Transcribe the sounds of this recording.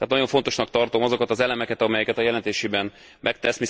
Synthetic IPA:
at̪nɒɟo̞ɱfo̞nt̪o̞ʃnɒk̚t̪ɒrt̪o̞mɒzokɒt̪ɒzɛlɛmɛkɛt̪ɒmɛjɛkɛt̪ɒjɛlɛnt̪eːʃeːbɛn | mʔɛk̚t̪ɛsmi

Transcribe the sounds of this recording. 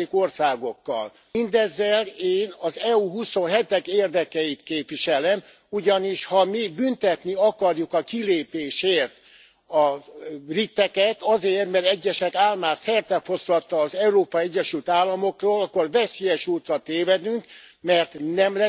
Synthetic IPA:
iko̞rsaːɡo̞kːɒ̰l | ind̪ɛzːɛleːnɒzɛuɦuso̞nɦɛt̪ɛkeːrd̪ɛkɛjit̪keːpʋiʃɛlɛm | uɟɒniʃhɒmibynt̪ɛt̪niɒkɒrjukɒkileːpeːʃeːrt̪ | ɒrit̪ːɛkɛt̪ɒzeːrt̪mɛɾɛɟːɛʃɛkaːlmaːt̪sɛrt̪ɛfo̞slɒt̪ːɒːzɛuɾoːpɒiɛɟːɛʃylt̪aːlːɒmo̞kroːlɒkːorvɛseːjɛʃuːt̪rɒt̪eːvɛd̪yŋkmɛrt̪nɛmlɛ

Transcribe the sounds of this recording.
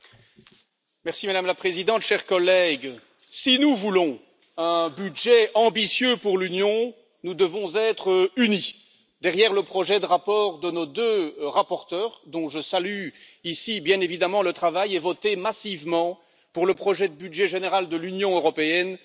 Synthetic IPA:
mɛʁsimad̪amlapχezid̪ɑ̃t̪ʃɛʁkɔlɛɡ | sinuvulɔ̃ | ɛ̃byd̪ʒɛɑ̃bisjøpuʁlynjɔ̃ | nud̪əvɔ̃zɛt̪χəyni | d̪ɛʁjɛʁləpχɔʒɛd̪əʁapɔʁd̪ənod̪øʁapɔʁt̪œːʁd̪ɔ̃ʒəsaly | isibjɛ̃nevid̪amɑ̃lət̪χavajɛvɔt̪emasivmɑ̃ | puʁləpχɔʒɛd̪əbyd̪ʒɛʒeneʁald̪əlynjɔ̃øʁɔpeɛn

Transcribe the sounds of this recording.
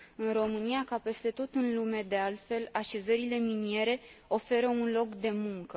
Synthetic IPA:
ɨnro̞mɨnijakape̞st̪e̞t̪o̞t̪ɨnlume̞d̪e̞alt̪fe̞laʃe̞zəɾile̞minie̞ɾe̞o̞fe̞ɾəunlo̞kd̪e̞muŋkə

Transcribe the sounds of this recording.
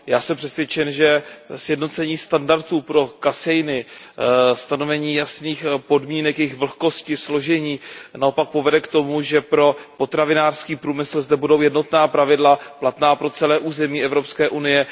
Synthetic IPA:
jaːsɛmpr̥ɛsvjɛt͡ʃɛnʒɛsjɛdno̞t͡sɛɲiːst̪andaɾt̪uːpɾo̞kasɛjnɪ | st̪ano̞vɛɲiːjasniːxpo̞dmiːnɛkjɛjɪxvl̩xko̞scɪslo̞ʒɛɲiːnao̞pak̚po̞vɛdɛkt̪o̞muʒɛpɾo̞po̞t̪ɾavɪnaːr̥skiːpɾuːmɪsl̩zdɛbudo̞wjɛdno̞t̪naːpɾavɪdlaplat̪naːpɾo̞t͡sɛlɛːʔuːzɛmiːɛvɾo̞pskɛːʔunɪjɛ

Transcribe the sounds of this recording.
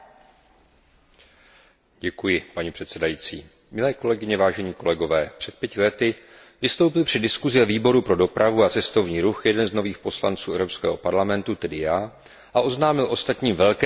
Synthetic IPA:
ɟɛkujɪpaɲɛpr̝̥ɛt̪sɛdajiːt͡sḭː | mɪlɛːko̞lɛɡɪɲɛvaːʒɛɲiːko̞lɛɡo̞vɛːpr̥ɛt̪̚pjɛcɪlɛt̪ɪ | vɪst̪owpɪlpr̝̥ɪdɪskuzɪvɛviːbo̞ɾupɾo̞do̞pɾavuat͡sɛst̪o̞vɲiːɾuxjɛdɛnzno̞viːxpo̞sla̰nt͡suːʔɛvɾo̞pskɛ̰ːɦo̞paɾlamɛnt̪ut̪ɛdɪjaː | ʔaʔo̞znaːmɪlʔo̞st̪at̪ɲiːmvɛlkɛ

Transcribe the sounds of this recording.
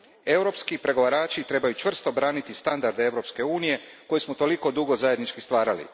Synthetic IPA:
e̞wɾo̞pskipɾe̞ɡo̞ʋaɾaːt͡ʃit̪ɾe̞bajut͡ʃʋr̩st̪o̞bɾaːnit̪ist̪and̪aɾd̪eeʋwɾo̞pske̞uːnije̞ko̞jismot̪o̞liko̞d̪uɡozaje̞d̪nit͡ʃkist̪ʋaːɾalḭ

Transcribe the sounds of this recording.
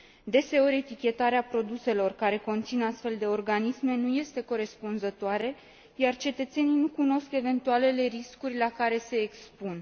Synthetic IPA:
d̪e̞se̞o̞ɾʲe̞t̪ikʲe̞t̪aɾeapɾo̞d̪use̞lo̞rkaɾe̞ko̞nt̪sinast̪fe̞ld̪e̞o̞rɡanisme̞nuje̞st̪e̞ko̞ɾe̞spunzət̪oaɾe̞ | jart͡ʃe̞t̪ət̪se̞nijnukuno̞ske̞ve̞nt̪uale̞le̞ɾiskurʲlakaɾe̞se̞ːkspun

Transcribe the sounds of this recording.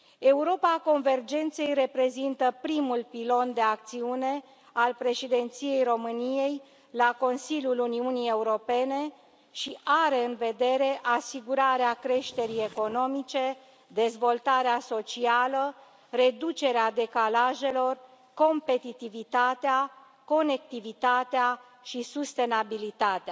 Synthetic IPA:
e̞uɾo̞pako̞nve̞rd͡ʒe̞nt̪se̞jre̞pɾe̞zint̪əpɾimulpilo̞nd̪e̞ak̚t̪siune̞ | alpɾe̞ʃid̪e̞nt̪sijejro̞mɨnije̞j | lako̞nsilʲjuluniunije̞uɾo̞pe̞ne̞ | ʃiʔaɾe̞ɨnve̞d̪e̞ɾe̞ʔasiɡuɾaɾeakɾe̞ʃt̪e̞ɾije̞ko̞no̞mit͡ʃe̞ | d̪e̞zvo̞lt̪aɾeaso̞t͡ʃialə | re̞d̪ut͡ʃe̞ɾead̪e̞kalaʒe̞lo̞r | ko̞mpe̞t̪it̪ivit̪at̪ea | ko̞ne̞k̚t̪ivit̪at̪ea | ʃisust̪e̞nabilit̪at̪ea

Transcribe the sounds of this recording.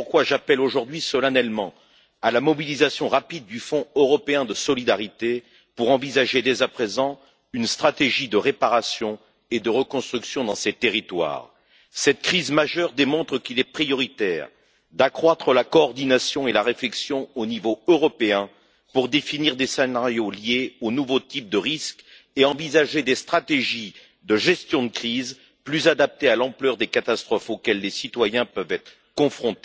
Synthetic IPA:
puʁkwaʒapɛloʒuʁd̪ɥisɔlanɛlmɑ̃ | alamɔbilizasjɔ̃ʁapid̪ːyfɔ̃øʁɔpeɛ̃d̪əsɔlid̪aʁit̪e | puʁɑ̃vizaʒed̪ɛzapχezɑ̃ | ynst̪χat̪eʒid̪əʁepaʁasjɔ̃ | ed̪əʁəkɔ̃st̪χyksjɔ̃d̪ɑ̃set̪eʁit̪wa̰ːʁ | sɛt̪kχizmaʒœʁd̪emɔ̃t̪χəkilɛpχijɔʁit̪ɛːʁ | d̪akχwat̪χəlakɔːʁd̪inasjɔ̃elaʁeflɛksjɔ̃onivoøʁɔpeɛ̃ | puʁd̪efiniʁd̪esenaʁjoljeonuvot̪ip̚d̪əʁisk | eɑ̃vizaʒed̪est̪χat̪eʒi | d̪əʒɛst̪jɔ̃d̪əkχiz | plyzad̪ap̚t̪ealɑ̃plœʁd̪ekat̪ast̪χɔfokʲɛlːesit̪wajɛ̃pœvɛt̪χəkɔ̃fχɔ̃t̪e

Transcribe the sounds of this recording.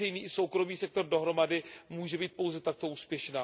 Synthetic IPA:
ɛjniːso̞wkɾo̞miːsɛk̚t̪o̞rdoɦɾomadɪmuːʒɛbiːt̪̚powzɛt̪ak̚t̪o̞uːspjɛʃnaː

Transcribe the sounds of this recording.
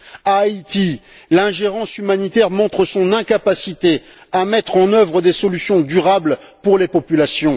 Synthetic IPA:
ait̪i | lɛ̃ʒeʁɑ̃symanit̪ɛʁmɔ̃t̪χəsɔ̃nɛ̃kapasit̪e | amɛt̪χɑ̃nœvʁəd̪esɔlysjɔ̃d̪yʁablpuʁlepɔpylasjɔ̃

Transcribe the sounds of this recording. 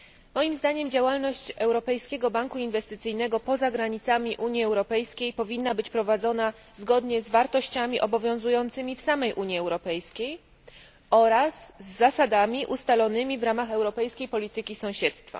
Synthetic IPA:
mɔjimzd̪aɲɛmd͡ʑawalnɔɕt͡ɕɛwɾɔpɛjskʲɛɡɔbaŋkuinvɛst̪ɘt̪sɘjnɛɡɔpɔzaɡɾaɲit̪samʲiʔuɲjiɛwɾɔpɛjskʲejpɔvʲinːabɘt͡ɕpɾɔvad̪zɔna | zɡɔd̪ɲɛzvaɾt̪ɔɕt͡ɕamʲiʔɔbɔvʲjɔ̃w̃zujɔnt̪sɘmʲifsamɛjʔuɲjiɛwɾɔpɛjskʲej | ɔɾasːasad̪amʲiʔust̪alɔnɘmʲivɾamaxɛwɾɔpɛjskʲejpɔlʲit̪ɘkʲisɔ̃w̃ɕɛt̪st̪fa̰

